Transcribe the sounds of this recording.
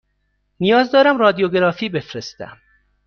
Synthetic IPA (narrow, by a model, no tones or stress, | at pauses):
nijɒːzd̪ɒːɾæmrɒːd̪ijoɡeɾɒːfiːbe̞fɾest̪æ̰m